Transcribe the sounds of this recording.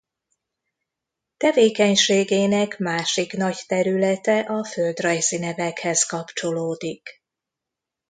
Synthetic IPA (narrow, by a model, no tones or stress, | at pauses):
t̪ɛveːkɛɲʃeːɡeːnɛkmaːʃiknɒct̪ɛɾylɛt̪ɛʔɒføld̪rɒjzinɛvɛkhɛzkɒpt͡ʃo̞loːd̪ik